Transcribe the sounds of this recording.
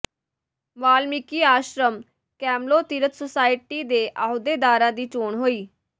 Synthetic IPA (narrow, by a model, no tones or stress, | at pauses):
maːlmikiːaːʃɾəm | kɛːmloːt̪iːɾət̪sosaːɪʈiːd̪eːʔaːɦʊd̪eːd̪aːɾãːd̪iːt͡ʃoːɳɦoːiː